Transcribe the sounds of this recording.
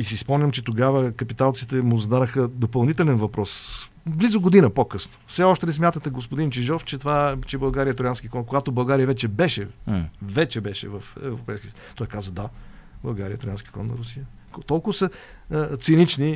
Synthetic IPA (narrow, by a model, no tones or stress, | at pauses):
isispɔmɲʲəmt͡ʃɛt̪oɡavəkɐpit̪alˠt̪si̥t̪ɛmʊzd̪anəxəd̪opɐlˠnit̪ɛlɛnvɐpɾɔs | blizoɡod̪inəpokɤsno̥fsɛɔʃt̪ɛnɛsmjat̪ət̪ɛɡospod̪int͡ʃɛʒɔft͡ʃɛt̪ovat͡ʃɛbɐlˠɡaɾijəɛt̪ɾjanskʲikɔnkoɡat̪obɐlˠɡaɾijəvɛt͡ʃɛbɛʃɛvɛt͡ʃɛbɛʃɛ̰vɐfɛvɾopɛjskʲiəs | t̪ɔjkazvɐd̪ablˠɐlˠɡaɾʲijət̪ɾjanskʲi̥kɔ̰nnɐ̰ɾusijə | kt̪ɔlˠkʊvəsə | t̪sinit͡ʃni